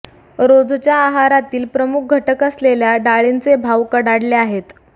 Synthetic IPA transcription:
ɾod͡zt͡ɕjaːɦaɾat̪iːlpɾəmuk̚ɡʱəʈəkəsleljaɖaɭint͡sebʱawkəɽaɽleaɦet̪

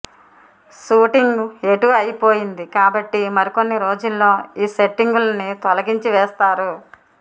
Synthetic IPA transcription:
ʃuːʈiŋɡe̞ʈuʋɐjipo̞ːjind̪ikaːbɐʈːimɐɾiko̞nːiɾo̞ːd͡ʒulːo̞ːiːse̞ʈːiŋɡulɐnit̪ɔlɐɡiɲt͡ʃiʋɛːst̪aːɾu

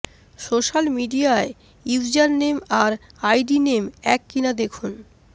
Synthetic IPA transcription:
ʃoʃalmiɖiae | iwd͡ʑaɾnemaɾ | ajɖinemɛkːinad̪ekʰun

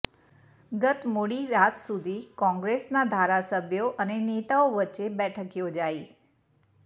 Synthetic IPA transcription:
ɡət̪moɽiɾat̪sud̪ʱikɔ̃ŋɡɾesnad̪ʱaɾasəbʱjoʔənenet̪aoʋətːʃebɛʈʰəkjod͡ʒai

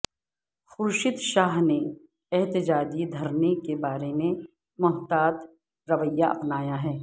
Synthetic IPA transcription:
xʊɾʃɪd̪ʃaːɦne | ɛɦt̪ɪd͡ʒaːd͡ʒid̪ʱɐɾnekebaːɾeme | mʊɦt̪aːt̪ | ɾɐʋəjːaʔɐ̰pnaːjaɦɛː

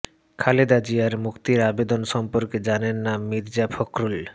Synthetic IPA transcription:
kʰaled̪ad͡ʑijaɾmukt̪iɾabed̪onʃɔmpoɾked͡ʑanenːamːid̪d͡ʑafʰokɾul

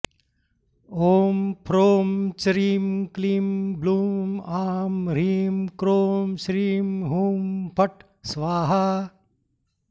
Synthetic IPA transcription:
oːmpʰɾoːmt͡ʃɾiːmkliːmbluːaːmɾiːmkɾoːmʃɾiːmɦuːmpʰɐʈ | sʋaːɦa

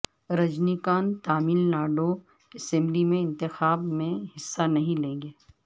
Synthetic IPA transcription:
ɾɐd͡ʒnikaːnt̪aːmiːlnaːɖo | ɛsɛ̃mblimẽɪ̃nt̪ɪxaːbmẽhɪsːanɐɦĩlẽːŋɡeː

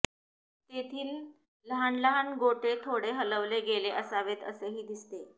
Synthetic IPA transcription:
t̪et̪ʰiːl | ləɦanləɦanɡoʈet̪ʰoɽeɦələʋleɡeleʔəsaʋet̪ə̰seɦiːd̪ist̪e

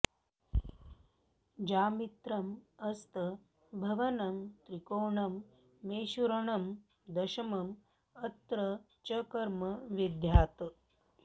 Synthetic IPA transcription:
d͡ʑaːmit̪ɾɐmɐst̪ə | bʱɐʋɐnɐmt̪ɾikoːɳɐmː | eːɕuɾɐɳɐm | d̪ɐɕɐmɐm | ɐt̪ɾɐ | t͡ʃɐkɐɾmɐʋid̪ʱjaːt̪

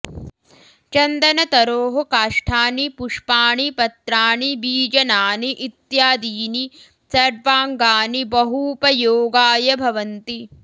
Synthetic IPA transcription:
t͡ʃɐnd̪ɐnɐt̪ɐɾoːɦɐkaːʂʈʰaːnipuʂpaːɳipɐt̪ɾaːɳibiːd͡ʒɐnaːniʔit̪jaːd̪iːni | sɐɾʋaːŋɡaːnibɐɦuːpɐjoːɡaːjɐbʱɐʋɐnt̪i

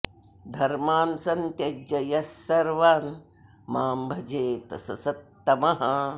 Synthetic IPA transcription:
d̪ʱɐɾmaːnsɐnt̪jɐd͡ʒɐjɐsːɐɾʋaːn | maːmbʱɐd͡ʒeːt̪ɐ̰sɐ̰sɐt̪ːɐmɐɦɐ

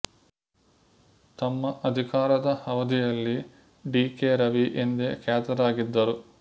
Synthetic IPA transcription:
t̪ɐmːɐʔɐd̪ʱikaːɾɐd̪ɐhɐʋɐd̪ijɐlːi | ɖiːkeːɾɐʋiʔend̪ekɛːt̪ɐɾaːɡid̪ːɐɾu

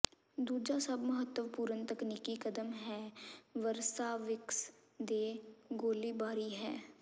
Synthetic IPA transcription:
d̪uːd͡ʒasɐbməɦət̪ːəʋpuːɾənt̪əkniːkikəd̪əmɦɛːʋəɾsaːʋɪks | d̪eːɡoːlibaːɾiɦɛː

